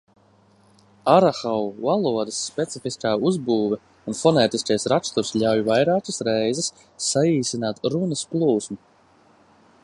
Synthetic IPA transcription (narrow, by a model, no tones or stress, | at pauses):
aɾaxawvalˠuɔd̪ɐsːpʲɛt̪sifiskaːuzbuːvɛ | unfɔnɛːt̪iskajsɾakst̪uɾsʎʲawjvajɾaːkəsɾɛjzɛsː | aiːsinaːt̪ɾunɐsplˠuːsmu